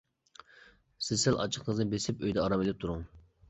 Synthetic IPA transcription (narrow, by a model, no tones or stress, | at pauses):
sɪzsɛlʔɑ̰t͡ʃʰə̥qnəɨznɨbesɪpøjd̪ɛɑɾɑmelɪp̚t̪ʰuɾʊŋ